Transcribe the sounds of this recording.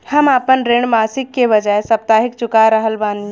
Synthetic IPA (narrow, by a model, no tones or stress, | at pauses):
həmaːpənɾeɳ̃ɖmasɪkːeβəd͡ʒaːesəp̚t̪aːɦikt͡ʃʊkaɾəɦəlbani